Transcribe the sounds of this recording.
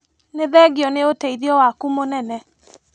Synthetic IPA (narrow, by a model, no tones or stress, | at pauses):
neðɛɡiɔneoteiðiɔwakumonɛnɛ